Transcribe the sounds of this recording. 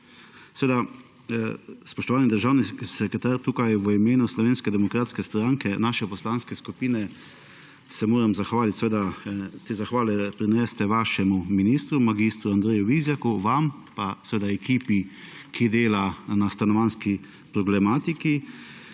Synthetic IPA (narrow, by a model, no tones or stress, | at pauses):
sɛʋeːd̪a | spɔʃt̪ɔʋaːnid̪əɾʒaːwnisɛkɾɛt̪aːɾt̪uːkajʋəimeːnuslɔʋeːnskɛd̪ɛmɔkɾaːt̪skɛst̪ɾaŋkɛnaːʃɛpɔslanskɛskupiːnɛ | sɛmoːɾamzaxʋaːlit̪sɛʋeːd̪at̪eːzaxʋaːlɛpɾinɛst̪ɛʋaːʃɛmuminist̪ɾumaɡist̪ɾuand̪ɾeːjuʋizjakuʋampasʋeːd̪aɛkiːpikʰid̪eːlanast̪anɔʋanski | pɾɔɡlɛmaːt̪iki